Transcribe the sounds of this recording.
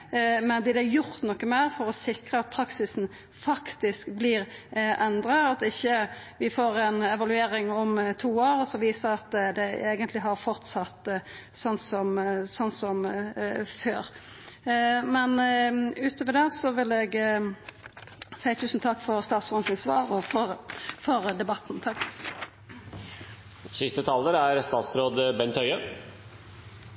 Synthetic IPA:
mɛnb̪ɪd̪æjʊɾt̪nɔkːəmeːʁfɔɾɔsɪkɾəɑt̪̚pʰɾɑksɪsn̩ | fɑkt̪ɪskblɪʁʔɛnd̪ɾəɑt̪ɪçːəʋɪfoːɾɛnɛʋɑlʉeːɾɪŋɔmt̪ʰuːoːɾɔsɔʋiːsəɾɑt̪d̪ɛeːɡənt̪lɪɦɑɾfɔɾt̪sɑt̪sɔnsɔmsɔnsɔm | føːɾ | mɛnʉːt̪ʰɔːʋəd̪ɛsɔʋɪlɛɡ | sæɪt̪ʰʉːsn̩t̪ʰɑkːfɔɾst̪ɑːt̪sɔnsɪnsʋɑːɾɔfɔʁfɔɾd̪ɛbɑt̪n̩t̪ʰɑkː | sɪst̪ət̪ʰɑləɾæɾst̪ɑːt̪sɾoːd̪əbɛnt̪ʰœʏə

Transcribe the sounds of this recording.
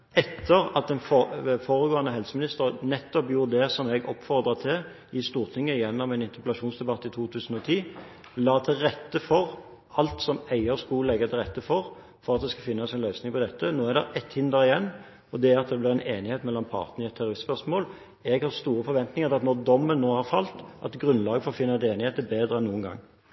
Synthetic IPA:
ɛt̪ʰːəɾɑt̪̚d̪ɛnffoːʁəɡoːɑnəɦɛlsəmɪnɪst̪əʁnɛt̪ːɔpjuːɾd̪ɛsɔmɛɡɔ̰pːfɔʁd̪ɾɑt̪ʰɪl | ɪst̪uːʁt̪ʰɪŋːəɪjɛnːɔmɛnɪnt̪əʁpəlɑʃuːnsd̪ɛbɑt̪ːɪt̪ʰuːt̪ʰʉːsən̩ɔt̪ʰiː | lɑːt̪ʰɪlɾɛt̪ːəfɔʁ | ɑlt̪sɔmæɪəɾskulɛɡːɑt̪ʰɪlʁɛt̪ːəfɔʁ | fɔʁɑt̪̚d̪ɛskɑfɪnːɑsɛnlœʏsnɪŋpʰɔd̪ɛt̪ːənoːæʁd̪ɛ̰ɾʔɛt̪hɪnd̪əɾɪjɛnː | ɔd̪ɛæɾɑt̪̚d̪ɛblɪʁæɪneːnɪheːt̪mɛlːɑmpʰɑ̰ːʁt̪nəɪɛt̪ʰːɛʁʊɪspœʁʂmoːl | ɛɡhɑʁst̪uːɾəfɔɾʋɛnt̪nɪŋəʁt̪ɑt̪nɔʁd̪ɔmːənːoːhɑʁfɑlt̪ʔɑ̰t̪ɡʁʉnlɑːɡəfoːɾfɪnːɑd̪eːnɪeːt̪əbeːd̪ɾəɛnːuːənɡɑ̰ŋː

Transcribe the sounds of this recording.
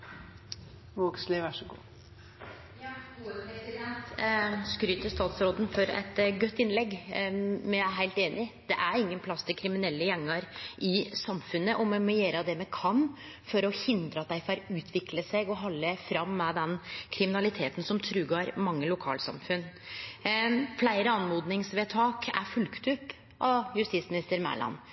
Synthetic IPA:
ʋoːɡslɪʋæʂɔɡṵː | jɑːuːəpʰɾɛsɪd̪ɛnt̪skɾyːt̪əʂst̪ɑːt̪sɾoːd̪ən̩fɔɾɛ̰t̪ɡœt̪ːɪnlɛɡ | mɛæɪɦæɪlt̪eːnʔɪd̪̥ɛʔæɾɪŋːənpʰlɑst̪ʰɪkʰɾɪmɪnɛlːəjɛŋːəɾʔɪsɑmfʉnːəʔɔmɔmɔjeːɾəd̪ɛmɛkʰɑn | fɔɾɔhɪnd̪ɾəɑt̪̚d̪æɪfɑɾʉːt̪ʰʋɪkləsɛɡɔɦɑlːəfɾɑmːɛd̪ɛnkʰɾɪmɪnɑlɪt̪ʰeːt̪n̩sɔmt̪ʰɾʉːɡɑːɾmɑŋːəlʊkʰɑ̰ːlsɑ̰mfʉn | flæɪɾəɑnmuːd̪nɪŋsʋeːt̪ʰɑːkæ̰ɾfʉlkt̪ʉpː | ʔɑjʉst̪ɪsmɪnɪst̪əɾmæ̰ːlɑ̰n

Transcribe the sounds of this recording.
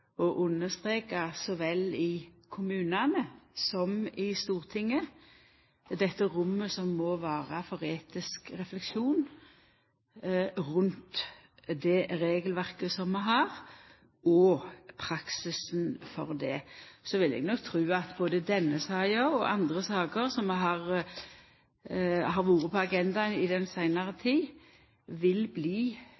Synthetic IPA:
ɔʔʉnːəst̪ʁeːkɑsɔʋɛlɪkʰʊmʉːnɑnəsɔmɪst̪uːʁt̪ʰɪŋːə | d̪ɛt̪ːəɾʊmːəsɔmːɔʋæːʁɑfɔɾeːt̪ɪskʁɛflɛkʂuːn | ʁʉnt̪ | d̪ɛɾeːɡəlʋæʁkəsɔmːɛɦɑːɾ | ɔpʰɾɑksɪsnfɔʁd̪ɛsɔʋɪlɛ̰ɡnɔk̚t̪ʰɾʉːɑt̪boːd̪əd̪ɛnːəsɑːɪəɔʔɑ̰nd̪ʁəsɑːɡəʁsɔmɛɦɑʁ | ɦɑʁʋuːɾəpʰɔɑɡɛnd̪ɑənɪd̪ɛnsæɪnɑʁət̪ʰiː | ʋɪlbliː

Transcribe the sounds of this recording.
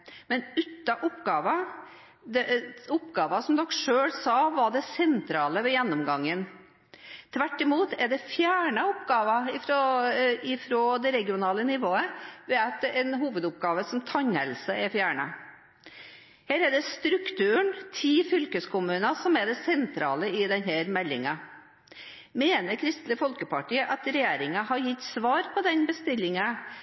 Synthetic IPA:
mɛnʉt̪ːɑʔʊpɡɑːʋɑ | d̪ɛʊpɡɑːʋɑsɔmd̪ɔkːʂøːɽsɑʋɑɖɛsɛnt̪ʰɾɑːləʋɛjɛnːɔmɡɑŋːən | t̪ʰʋæʈːɪmuːt̪ɛɖɛfjæːɳɑʊpɡɑːʋɑɪfɾoɪfɾoːd̪ɛɾɛɡɪʊnɑːlənɪʋoːəʋɛːɑt̪ɛnɦuːʋəd̪ʊp̚ɡɑːʋəsɔmt̪ʰɑɲhɛ̰lsəɛfjæːɳə | heːɾɛɖ̪ɛst̪ɾʉkt̪ʰʉːəɳt̪ʰiːfʏlkəskʊmʉːnɑsɔmɛɖ̪ɛsɛnt̪ʰɾɑ̰ːləɪd̪ɛnɦæːɾmɛlːɪ̰ŋɑ | meːnəɾkʰɾɪst̪ləfɔlkəpɑʈiːəʔɑt̪ɾɛjeːɾɪŋɑɦɑɾjɪt̪ːsʋɑːɾpʰɔd̪ɛnbəst̪ɪlːɪŋɑ

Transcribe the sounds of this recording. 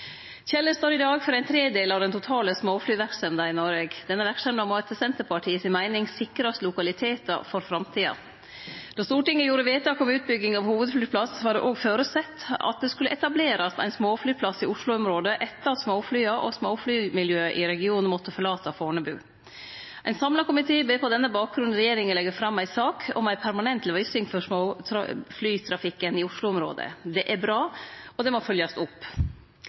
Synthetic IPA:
çɛlːəst̪oːɾɪd̪ɑːɡfɔɾæɪnt̪ʰɾeːd̪eːlɑʋd̪ɛnt̪ʊt̪ʰɑːləsmoːflyːʋæɾksɛmd̪ɑɪnɔɾʋeːɡd̪̥ɛnːəʋæɾksɛmd̪ɑmɔɛt̪ʰəsɛnt̪əpɑʈʰiːəsɪnmæɪnɪŋsɪkɾɑst̪əlʊkɑlɪt̪ʰeːt̪ə̰fɔɾfɾɑmt̪ʰiːɑ̰ | d̪̥ɑst̪uːʈɪŋːəjuːɾəʋeːt̪̚d̪ɑːkɔmʉːt̪̚bʏɡːɪŋɑʋhuːʋəd̪flyːpʰlɑsʋɑːɖɛ̰ʔoːɡføːɾəsɛt̪ːɑ̰t̪̚d̪ɛskʉlːəʔɛt̪ɑbleːɾɑsæ̰ɪnsmoːflyːpʰlɑsːɪʊʂlʊɔmɾoːd̪əʔɛt̪ːɑsmoːflyːɑʔɔ̰smoːflyːmɪljøːʔɪɾɛɡɪuːnn̩mɔt̪ːəfɔɭɑːt̪ɑfoːɳəbʉ̰ː | ʔæɪnsɑmlɑkʊmɪt̪ʰeːbeːpʰɔd̪ɛnːəbɑːk̚ɡɾʉn̩ɾɛjeːɾɪŋənlɛɡːəfɾɑmːæɪsɑːkʰɔ̰mæɪpʰæɾmɑnɛnt̪lʋɪsɪŋfɔʂmo̰ːflyːt̪ʰɾɑfɪkːənɪʊʂlʊɔmɾo̰ːd̪ə̰d̪ɛʔæɾbɾɑːɔd̪ɛmɔfœljɑst̪ʊpː

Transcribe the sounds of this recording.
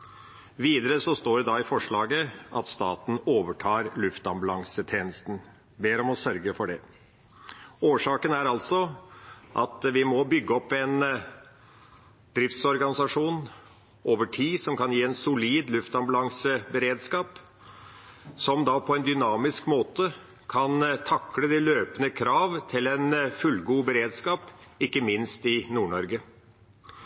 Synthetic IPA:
ʋiːd̪əɾəsɔst̪oːɖɛd̪ɑːɪfɔʂɭɑːɡəʔɑt̪st̪ɑ̰ːt̪n̩oːʋəʈʰɑːɾlʉft̪ɑmbɑlɑŋsət̪ʰeːnəst̪n̩ | beːɾɔmɔsœɾɡəfɔɖɛ | oːʂɑːkənæɾɑlt̪sɔ | ʔɑt̪ʋɪmɔbʏɡːəɔpːɛn | d̪ɾɪft̪sɔɾɡɑnɪsɑʂuːn | ʔoːʋəʈʰiːsɔmkɑnjiːɛnsʊliːd̪lʉft̪ɑmbɑlɑŋsəbəɾeːd̪skɑːp | sɔmd̪ɑpʰɔɛnd̪ʏnɑːmɪskmoːt̪ə | kʰɑnt̪ʰɑkːləd̪ɪløːpənəkʰɾɑːʋt̪ʰɪlɛnfʉlɡuːbəɾeːd̪skɑːpɪkːəmɪnst̪ɪnuːɳɔɾɡə

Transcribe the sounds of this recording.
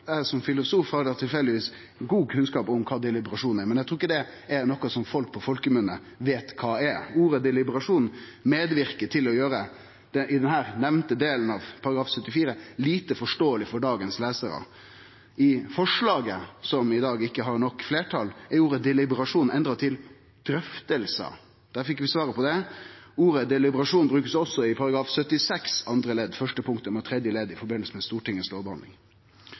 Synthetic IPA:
æsɔmfɪlʊsuːfhɑɾd̪t̪ʰɪlfɛld̪ɪʋiːs | ɡuːkʰʉnskɑːpʊmkʰɑːd̪ɛlɪbəɾɑʂuːnæɾmɛnæɡt̪ɾuːɪkːəd̪ɛ | ɛɾnɔkːɔsɔmfɔlk̚pʰɔfɔlkmʉːnə̰ | ʋeːt̪kʰɑːɛɾuːɾəd̪ɛlɪbəɾɑʂuːn | meːd̪ʋɪɾkəʈʰɪlɔjøːɾə | d̪̥ɛʔɪd̪ɛnɦæːɾnɛʋnt̪əd̪eːlənɑʋpʰɑɾɑɡɾɑːfsœt̪ːɪfiːɾəliːt̪əfɔʂʈoːəlɪfɔɖɑːɡənsleːsəɾə̰ | ɪfɔʂɭɑːɡəsɔmɪd̪ɑːɡɪkːəɦɑɾɳɔkːfleːʈʰɑlɛuːɾəd̪ɛlɪbəɾɑʂuːnɛnd̪ɾɑt̪ʰɪl | d̪̥ɾœft̪əlsə̰ | d̪̥æːɾfɪkʋɪsʋɑːɾəpɔd̪ɛuːɾəd̪ɛlɪbəɾɑʂuːnbɾʉːkəsɔsːɔɪpʰɑɾɑɡɾɑːfsœt̪ːɪsɛksɑnd̪ɾəlɛd̪fœʂʈəpʰʊŋkt̪əmɛt̪ʰɾɛd̪jəleːd̪ɪfɔɾbɪnəlsəmɛst̪uːʈɪŋːəsloːbəhɑnd̪ɪ̰ŋ

